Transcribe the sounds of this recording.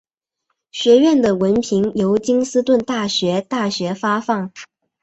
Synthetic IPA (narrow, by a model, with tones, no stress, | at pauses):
ɕɥɛ˧˥ɥɛ˥˩nd̪ə˩wə˧˥npʰi˧˥ŋjo˧˥ʊt͡ɕi˥ŋsɹ̩˥t̪wə˥˧nt̪a˥˩ɕɥɛ˧˥t̪a˥˩ɕɥɛ˧˥fa˥fɑ˥˩ŋ